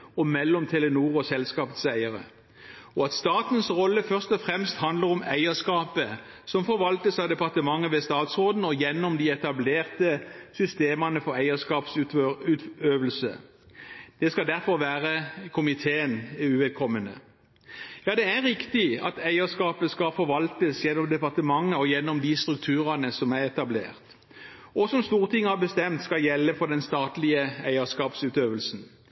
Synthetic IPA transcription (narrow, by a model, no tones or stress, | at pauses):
ɔmɛlːɔmt̪ʰɛlənuːʁɔsɛlskɑːpət̪sæɪəɾə̰ | ɔɑt̪st̪ɑːt̪nsʁɔlːəfœʁst̪ɔfɾɛmst̪hɑnd̪ləɾɔmæɪəʂkɑːpə | sɔmfɔɾʋɑlt̪əsɑd̪ɛpɑʁt̪əmɑŋːəʋɛst̪ɑːt̪sʁoːd̪n̩ɔjɛnːɔmd̪ɪɛt̪ɑbleːʁt̪əsʏst̪eːmɑnəfɔɾæɪəʂkɑːpsʉʉːt̪øːʋəlsə̰ | d̪̥ɛskɑd̪æɾfɔɾʋæːʁəkʰʊmɪt̪ʰeːənʉːʋɛd̪̚kʰɔmːənə̰ | jɑːd̪ɛæɾɪkt̪ɪɑ̰t̪æɪəʂkɑːpəskɑfɔɾʋɑlt̪əsjɛnːɔmd̪ɛpɑʁt̪əmɑŋːəɔjɛnːɔmd̪ɪst̪ɾʉk̚t̪ʰʉːʁənəsɔmæɾɛt̪ɑblḛːʁt̪ | ɔsɔmst̪uːʁt̪ʰɪŋːəhɑʁbəst̪ɛmt̪skɑjɛlːəfɔd̪ɛnst̪ɑːt̪lɪəæɪəskɑːpsʉːt̪øːʋəlsn̩